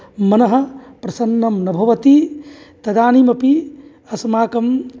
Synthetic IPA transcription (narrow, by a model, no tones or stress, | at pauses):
mɐnɐɦɐ̆pɾɐsɐnːɐmnɐbʱɐʋɐt̪it̪ɐd̪aːnimɐpi | ɐsmaːkɐm